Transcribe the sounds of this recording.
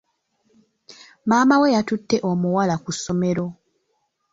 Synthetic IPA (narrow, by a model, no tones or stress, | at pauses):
maːmawejatutːe̞ʔomuwalakusːo̞me̞ɾo̞